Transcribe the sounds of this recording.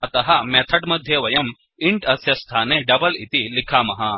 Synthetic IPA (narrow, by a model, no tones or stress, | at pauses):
ɐt̪ɐɦɐmeːt̪ʰɐɖmɐd̪ʱjɐʋɐjɐm | iɳʈɐsjɐst̪ʰaːneɖɐbɐlit̪ilikʰaːmɐɦɐ